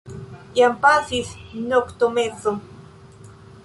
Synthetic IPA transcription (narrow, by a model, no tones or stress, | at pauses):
jampasisnokt̪omet͡so